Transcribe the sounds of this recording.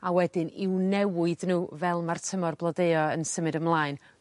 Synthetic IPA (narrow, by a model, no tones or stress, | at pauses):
awɛdɪnɪwnɛwʊɨðnuːvɛlˠmartʰəmɔrblˠɔdeɨɔənsəmɨɾəmlˠaːɨn